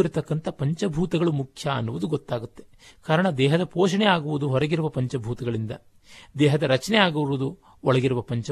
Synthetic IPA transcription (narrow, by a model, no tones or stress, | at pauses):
iɾt̪ɐkːɐnt̪ɐpɐɲt͡ʃɐbʱuːt̪ɐɡɐɭumukʰjɐɐ̰nːuʋud̪uɡɔt̪ːaːɡut̪ːe̞̥ | kaːɾɐɳɐd̪ɛːɦɐd̪ɐpoːʃɐɳɛaːɡuʋud̪uɦɔɾɐɡiɾuʋɐpɐɲt͡ʃɐbʱuːt̪ɐɡɐɭind̪ɐ̰ | d̪ɛːɦɐd̪ɐɾɐt͡ʃɐnɛaːɡuuʋud̪u | ɔɭɐɡiɾuʋɐpɐɲt͡ʃɐ